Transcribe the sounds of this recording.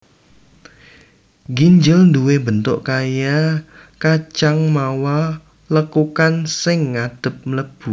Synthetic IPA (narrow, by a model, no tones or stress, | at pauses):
ɡiɲd͡ʒɪlnduwebənt̪ʊʔkajakat͡ʃaŋmawa | ləkukansɪŋad̥ə̤p̚mələb̥u